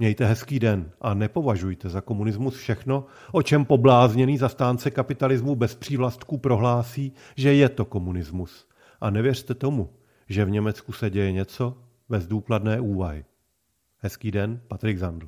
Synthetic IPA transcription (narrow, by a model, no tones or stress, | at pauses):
mɲɛjt̪ɛɦɛskiːdɛnʔanɛpo̞vaʒujt̪ɛzako̞munɪzmusfʃɛxno̞ | ʔo̞t͡ʃɛmpo̞blaːzɲɛniːzast̪aːnt͡sɛkapɪt̪alɪzmubɛspr̝̥iːvlast̪kupɾo̞ɦlaːsiː | ʒɛjɛt̪o̞ko̞munɪzmus | ʔanɛvjɛr̝t̪ɛt̪o̞mu | ʒɛvɲɛmɛt͡skusɛɟɛjɛɲɛt͡so̞ | bɛzduːkladnɛːʔuːvaɦɪ | hɦɛskiːdɛnpat̪ɾɪɡzandl̩